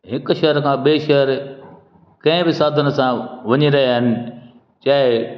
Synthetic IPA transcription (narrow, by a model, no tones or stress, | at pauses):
ɦɪkʊ̆ʃɐɦəɾkʰãːɓeːʃɐɦəɾ | kɐ̃ɦɪ̃bɪsaːd̪ʱənɪ̆sãʋɐɲiɾɐɦiaːɦɪnɪ̆ | t͡ɕaːɪ